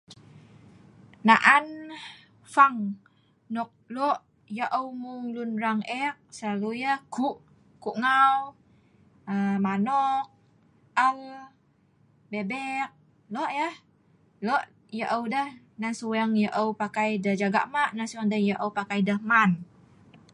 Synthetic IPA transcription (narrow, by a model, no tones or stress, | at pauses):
naʔan | faŋ | nɔk̚lɔʔ | jəʔəwmuŋlunɾaŋʔɛk̚səlalujəhkuʔ | kuʔŋaw | əmanɔk̚ | əl | bebɛk̚ | lɔʔjəh | lɔʔ | jəʔəwdəh | nansuəŋjəʔəwpakajdəhd͡ʒaɡa̰ʔmaʔnansuɛŋdəhjəʔəwpakajdəhman